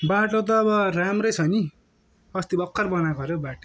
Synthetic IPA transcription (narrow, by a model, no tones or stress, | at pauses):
baʈot̪̬ʌːβʌramrʌjt͡sʰʌni | ʌst̪ibʌkʰːʌrbʌnakʌɾobaʈo